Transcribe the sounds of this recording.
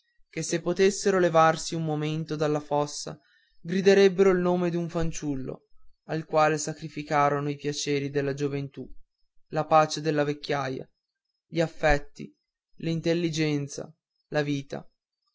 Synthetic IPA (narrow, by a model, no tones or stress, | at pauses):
kesːepːot̪esːeɾolevarsiumːoment̪od̪alːafɔsːa̰ | ɡɾid̪eɾebːeɾoilnoːmed̪uɱfant͡ʃulːo̰alkwaːlesakɾifikaːɾonoipjat͡ʃeːɾid̪elːad͡ʒovent̪u | lapaːt͡ʃed̪elːavekːjaːja̰ | ʎiafːɛt̪ːḭ | lint̪elːid͡ʒɛnt̪sa̰ | laviːt̪a̰